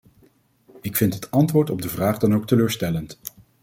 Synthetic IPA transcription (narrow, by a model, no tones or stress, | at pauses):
ɪkfɪntɦətɑntʋʊːɹtɔb̚dəvraːχdɑnowk̚təløːɹstɛlənt